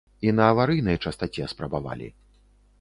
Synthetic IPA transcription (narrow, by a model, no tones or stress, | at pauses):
inɐːvaɾɨjnɐjt͡ʂɐst̪at͡sʲɛɐspɾɐbava̰lʲḭ